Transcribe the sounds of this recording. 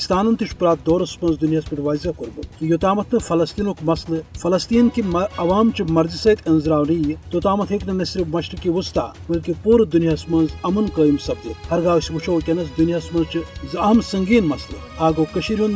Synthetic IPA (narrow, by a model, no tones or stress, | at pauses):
st̪aːnɐnt̪iʃpuɾaːt̪̚d̪oːɾɐsmɐ̃nzd̪unjaːspiʈʋaːzʲakuɾbɨkijot̪aːmɐt̪ʰnɨfɐlɐst̪iːnoːkmɐslɨfɐlɐst̪iːnkimɐɐʋaːmt͡ʃimɐɾzisɐt̪ʲɐnzɾaːwnijt̪ot̪aːmɐt̪ʰeknɨnɐsɾimɐʃʈɨkiʋust̪a̰ː | bɐlʲkipuːɾɨd̪unjaːsmɐnzɐmɐnkəːjimsɐb̚t̪ihɐɾɡaːʋsʲiʋut͡ʃʰoːwkʲɐnɐsd̪unijaːsmɐnzt͡ʃizɐɦmsɐŋɡiːnmɐslɨ | aːɡoːkɐʃiɾʲjun